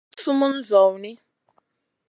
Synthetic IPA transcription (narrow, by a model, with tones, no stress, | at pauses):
su˦mu˦n̩˦zɔ˨wni˦